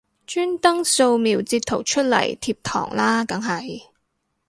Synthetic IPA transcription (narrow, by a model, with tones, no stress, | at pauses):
t͡ʃyː˥nt̪ɐ˥ŋso˧wmiː˨˩wt͡siː˧t̚t̪ʰːo˨˩wt͡ʃʰɵ˥t̚lɐ̰˨˩jt̪ʰiː˧p̚t̪ʰɔ̰ː˨˩ŋlaː˥kɐ˨˥ŋɦɐ˨j